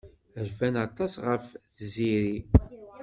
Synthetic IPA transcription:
əɾfænɑt̪ˤɑsʁəfθziɾi

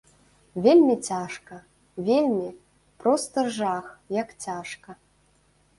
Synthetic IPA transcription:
vʲelʲmʲit͡sʲaʂkɐ | vʲelʲmʲi | pɾɔst̪ɐʐaxjɐkt͡sʲaʂkɐ

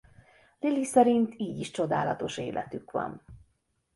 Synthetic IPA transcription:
lilisɛɾint̪iːɟiʃt͡ʃo̞d̪aːlɒt̪o̞ʃḛːlʔɛ̰t̪ykʋɒ̰n

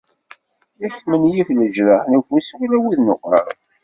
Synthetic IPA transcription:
jæçmənjifləʒɾənufuswlæwiðnoqɾə̰ɾˤ

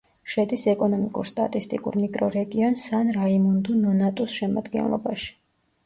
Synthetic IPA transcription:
ʃɛd̪isɛkʼɔnɔmikʼṵɾst̪ʼa̰t̪ʼist̪ʼḭkʼṵɾmikʼɾɔɾɛɡiɔnsanɾaimund̪unɔnat̪ʼusʃɛma̰d̪ɡɛ̰nlˠɔ̰baʃi̥

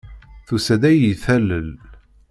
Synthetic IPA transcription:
θusæd̪æjiθæləl

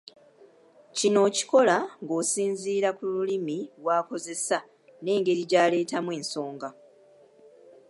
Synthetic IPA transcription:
cino̞ːci̥ko̞laŋɡo̞ːsiːnziːɾakululimiβwaːko̞ze̞sa | ne̞ːŋɡe̞ɾiɟaːle̞ːtamwe̞ːnso̞ːŋɡa

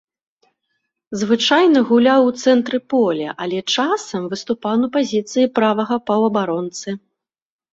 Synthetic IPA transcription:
zvɨt͡ʂajnɐɣulʲawt̪sɛnt̪ɾɨpɔlʲɐ̰ʔalʲɛt͡ʂasɐmvɨst̪upawnɐpazʲit̪sɨjipɾavɐɣɐpɐwɐbaɾɔnt̪sɨ

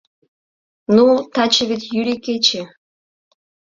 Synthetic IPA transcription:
nut̪ɑt͡ɕə̆βet̪jyɾiket͡ɕe

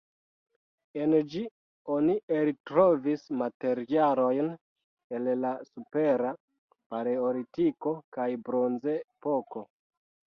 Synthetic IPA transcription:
e̞nd͡ʒi | onieɾitɾo̞vismate̞ɾialo̞jn | e̞llasupe̞ɾa | paɾeoɾitiko̞kajbɾo̞nzepo̞ko̞

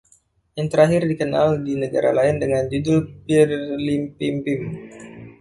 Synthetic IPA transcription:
jaŋt̪əɾaɦɪrdikənaldinəɡa̰ɾa̰laɪndəŋand͡ʒudʊlpirlimpimpɪm

